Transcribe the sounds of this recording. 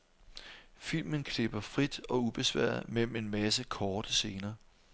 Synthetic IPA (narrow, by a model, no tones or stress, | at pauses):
fil̰mənkʰle̝b̥ɐfʁid̥ɒ̽ub̥e̝sʋæɐ̰ðˠmel̰m̩e̝nmæsəkʰɒːd̥əse̝ːnɐː